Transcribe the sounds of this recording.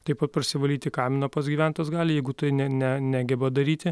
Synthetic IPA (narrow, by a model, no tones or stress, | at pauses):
t̪ɐɪpɐt̪pɐrʲsʲɪʋɐlʲiːt̪ʲɪkɑɪmʲɪnoːpɐsɡʲiːʋʲæˑnt̪ɐsɡɑːlʲɪjɛɪɡʊt̪ɐɪnʲɛnʲænʲæːɡʲɛbɐd̪ɐɾʲiːt̪ʲɪ